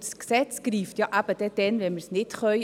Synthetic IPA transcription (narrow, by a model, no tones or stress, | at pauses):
sksɛt͡sɡ̥ɾiːftjɑʔæb̥əd̥ɛd̥ɛnvɛnməɾsnɪtχœʏ